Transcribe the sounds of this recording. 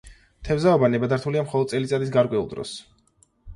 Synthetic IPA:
t̪ʰɛvzaɔbanɛbad̪aɾt̪ʰuliamχɔlɔd̪̚sʼɛlit̪sʼad̪is̬ɡaɾkʼwɛulˠd̪ɾɔ̰s

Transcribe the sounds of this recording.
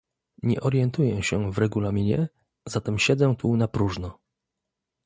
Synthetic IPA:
ɲɛʔɔɾjɛnt̪ujɛɕɛvɾɛɡulamʲiɲɛ | z̥at̪ɛmɕɛd̪zɛ̃t̪ʰunapɾuʐnɔ

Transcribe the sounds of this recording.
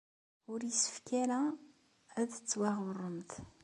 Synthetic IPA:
ʊɾjəsə̥fkæɾæ | æðət͡sːwæʁʊrˤːəmt̪

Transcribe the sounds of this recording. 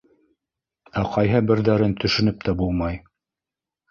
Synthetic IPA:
æqʰɑjɦɤbɘ̆ɾðæɾɘnt̪ʰɵ̆ʃɵ̆nɵp̚t̪æbulˠmɑj

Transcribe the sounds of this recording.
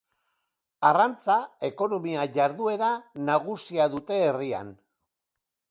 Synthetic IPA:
arant͡sae̞ko̞no̞miaʝaɾðue̞ɾanaɣusiaðut̪e̞ːria̰n

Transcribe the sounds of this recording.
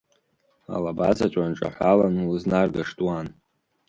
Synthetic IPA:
a̰labazat͡ʃʷʼanʈ͡ʂʼa̰ħʷalanulɨznarɡaʂtʼwan

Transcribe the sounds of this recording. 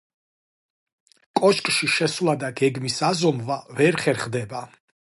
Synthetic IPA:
kʼɔt͡ʃkʼʃiʃɛswlˠad̪aɡɛɡmisazɔmvavɛɾχɛɾχd̪ɛba

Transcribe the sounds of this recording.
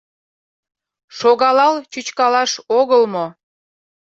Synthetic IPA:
ʃoɣɑlɑlt͡ɕut͡ɕkɑlɑʃoɣəlmo

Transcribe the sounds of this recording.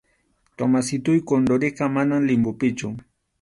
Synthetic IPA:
t̪omasɪt̪ʊjkond̪oɾeqɑmanaŋlɪmbʊpɪt͡ʃʊ

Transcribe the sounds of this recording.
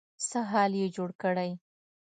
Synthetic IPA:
səɦɑljed͡ʒoɽkəɽaj

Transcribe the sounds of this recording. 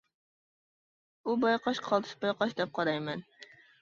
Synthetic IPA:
ubɑjqɑʃqʰɑlˠt̪ʰɨ̥ʃbɑjqɑʃd̪ɛp̚qʰɑɾɑjmɛn

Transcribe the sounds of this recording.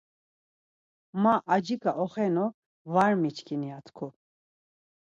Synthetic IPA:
maʔːd͡ʒikaʔɔχɛnɔ | vaɾmit͡ʃʰkʰiniat̪ʰkʰu

